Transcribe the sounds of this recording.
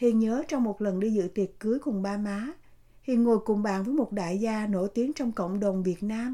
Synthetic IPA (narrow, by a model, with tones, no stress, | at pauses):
hḭ˧˨nɲəː˨˦t͡ɕɔ˧wŋ͡mmo˨˩t̚lə˨˩nɗi˧zɨ̰˧˨t̪i˨˩ət̚kɨ˨˦əjkʊ˨˩ŋ͡mɓaː˧maː˨˦ | hḭ˧˨ŋo˨˩jkʊ˨˧˩ŋ͡mɓa̰ː˧˨nvəː˨˦jmo˨˩t̚ɗa̰ː˧˨jzaː˧no̰˧˩jt̪i˨˦əŋt͡ɕɔ˧wŋ͡mko̰˧˨wŋ͡mɗə˨˩wŋ͡mvi˨˩ət̚naː˧m